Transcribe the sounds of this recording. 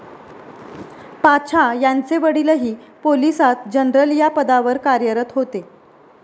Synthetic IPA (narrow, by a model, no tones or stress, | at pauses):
pat͡ɕʰajant͡seʋəɽiləɦiːpolisat̪d͡ʑənɾəljapəd̪aʋəɾkaɾjəɾət̪ɦot̪e